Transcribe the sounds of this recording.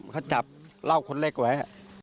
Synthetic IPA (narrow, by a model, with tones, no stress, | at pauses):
kʰa˧˥˩wt͡ɕa˨˩p̚la˥˩wkʰo˧nleː˥˩k̚waː˨˦